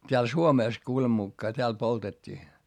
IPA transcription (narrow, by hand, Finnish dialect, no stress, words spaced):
tʲeæl suomeˑs kuːlem mukːɑː tʲeæl poltetʲːiː